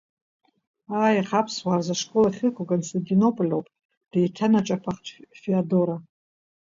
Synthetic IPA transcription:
aːjaχapʰswaːrzaʂkʼo̞laχʲɨkʷakʼonstʰantʼino̞pʼolʲowpʼ | d̥ejtʰanat͡ʃʼapʰaχtʰʼfiado̞ɾa

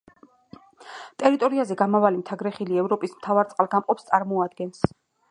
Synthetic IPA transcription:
t̪ʼɛɾit̪ʼɔɾiazɛɡamavalimt̪ʰaɡɾɛχiliɛvɾɔpʼismt̪ʰavaɾt̪sʼqʼalˠɡamqʼɔpst̪sʼaɾmɔad̪̚ɡɛns

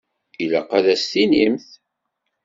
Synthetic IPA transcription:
iləqæðæstinimθ

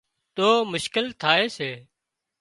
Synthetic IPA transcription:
t̪oːmʊʃkɪlt̪ʰaːeːseː

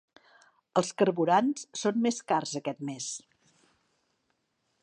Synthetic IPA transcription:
əlˠskəɾβuɾanssonmeskarzəkɛt̪mes

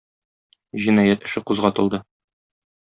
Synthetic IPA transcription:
ʑinɑjæt̪ɘ̆ʃɘquzʁɑt̪ɤ̆lˠd̪ɤ

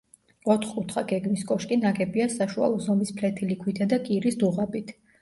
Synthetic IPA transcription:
ɔt̪ʰχkʼut̪ʰχaɡ̥ɛɡmiskʼɔʃkʼinaɡɛbiasaʃua̰lˠɔzɔmispʰlɛt̪ʰilikʰwit̪ʰad̪akʼiɾisd̪uʁabit̪ʰ

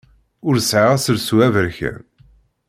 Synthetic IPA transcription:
ʊɾsʕaʁæsəɾswævəɾçæ̰n

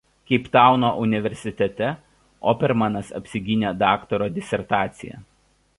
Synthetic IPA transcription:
kʲɐɪpt̪ɑˑʊnoːʔʊnʲɪʋʲɛɾʲsʲɪt̪ʲɛt̪ʲɛ | ɔːpʲɛɾmɐnɐsɐ̰pʲsʲɪɡʲɪnʲed̪ɑːkt̪ɔɾoːd̪ʲɪsʲɛɾt̪ɑːt̪sʲɪjɛ̰

